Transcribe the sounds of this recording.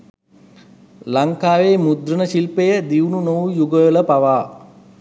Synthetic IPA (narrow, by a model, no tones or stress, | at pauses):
laŋkaːʋeːmud̪ɾənəʃilpejəd̪iwnunowjuɡələpaʋaː